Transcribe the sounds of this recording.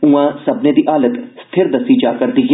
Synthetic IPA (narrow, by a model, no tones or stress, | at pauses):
ũãsɐbned̪iʔaːlət̪st̪ʰɪɾd̪ɐsid͡ʒaːkəɾd̪iːɡ